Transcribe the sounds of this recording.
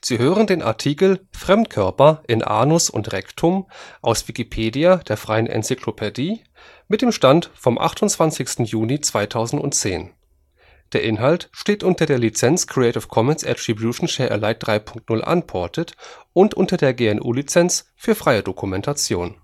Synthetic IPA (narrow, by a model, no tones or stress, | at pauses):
z̥iːɦøːʁəndeːnʔa̰ɐtʰiːkl̩fʁ̥ɛmtkʰœɐpɐʔɪnʔa̰ːnʊsʊ̰ntʁɛktʰʊmʔaʊsv̥ikipʰeːdiad̥eːɐfʁ̥aɪənʔɛ̰nt͡sikʰlopʰɛdiː | mɪt̚d̥eːmʃtantfɔmʔa̰χtʊntt͡sv̥ansɪçstn̩juːnit͡sv̥aɪtʰaʊzn̩tʊ̰nt͡seːn | d̥eːɐʔɪnɦaltʃteːtʔʊntɐdeːɐlit͡sɛnt͡skʰʁ̥iɛɪtɪfkʰɔmɛnsʔɛ̰tʁ̥ibjuːʃn̩ʃɛːɐʔɛ̰laɪt̚d̥ʁaɪpʰʊŋktnʊlʔa̰npʰɔɐtʰətʔʊntʔʊntɐdeːɐɡeːɛnʔṵːlit͡sɛns | fyːɐfʁ̥aɪədokʰumɛntʰat͡sjo̰ːn